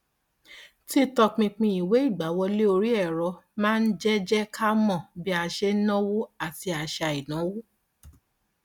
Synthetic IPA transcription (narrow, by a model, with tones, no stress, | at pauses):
ti˦tɔ˧k͡pĩ˧k͡pĩ˧i˨we˨˦i˦˨ɡ͡ba˨˦wɔ˧le˦o˧ɾi˦ɛ˦˨ɾɔ˧mãː˦˧n̩˦d͡ʒɛ˦d͡ʒɛ˦kʰa˦mɔ̃˦˨bi˦a˧ʃe˦nɔ̃˦wo˦a˦˨ti˧˦a˨ʃa˧i˨nã˨˦wo˦